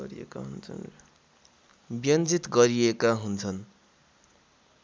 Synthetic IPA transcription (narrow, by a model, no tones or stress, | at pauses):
ɾiḛkaɦunt͡sʰʌ̰n | bjʌnd͡zit̪ɡʌɾiekaɦunt͡sʰʌn